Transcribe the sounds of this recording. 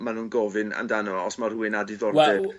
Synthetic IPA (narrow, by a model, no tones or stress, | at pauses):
manuːnɡɔvɨna̰ndanɔɔsmaruɪnadɪðɔrdɛ